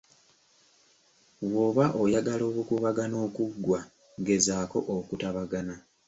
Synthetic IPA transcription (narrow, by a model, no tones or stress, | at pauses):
wwo̞ːβaʔojaɡalo̞ːβukuβaɡano̞ːkuɡːwa | ɡe̞zaːko̞ʔokutaβaɡana